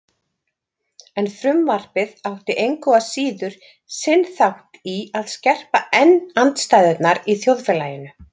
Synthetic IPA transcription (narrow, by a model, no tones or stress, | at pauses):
ɛnfɾʏmvar̥pɪðawht̪ɪʔejŋkɔvasiːðʏɾ̥ | sɪnθawht̪iaðscɛr̥paɛnːant̪st̪aːjðɛt̪naɾiθjowðfɛlaːjɪnʏ